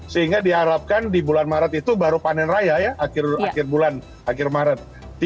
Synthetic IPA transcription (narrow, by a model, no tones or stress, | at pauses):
səɦiŋɡadiɦaɾap̚kandibulanmaɾat̪it̪ubaɾupanɛnrajajaakɪrakɪrbulan | akɪrmaɾat̪̚ː | i